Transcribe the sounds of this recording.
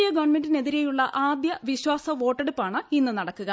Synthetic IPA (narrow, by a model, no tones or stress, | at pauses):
ijɐɡɐʋɐnme̞ndine̞ðiɾejuɭːɐʔaːd̪jɐʋiɕwaːsɐʋo̞ːʈːe̞ɽupːaːɳɨinːɨnɐɽɐkːuɣɐ